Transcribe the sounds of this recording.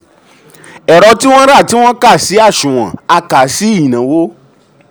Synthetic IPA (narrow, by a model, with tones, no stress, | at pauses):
ɛ˨ɾɔ˧ti˦w̃ɔ̃˦ɾa˦˨ti˦w̃ɔ̃˦ka˦˨si˨˦a˦˨ʃũ˨w̃ã̰˨a˧ka˨˦si˦˨nã˨˦wo˦